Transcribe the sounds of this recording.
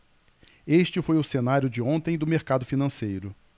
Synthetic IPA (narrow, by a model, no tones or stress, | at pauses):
eʃt͡ʃɪfojʊsenaɾjʊd͡ʒɪõnt̪ẽj̃d̪ʊmeɾkad̪ʊfinɐ̃sejɾʊ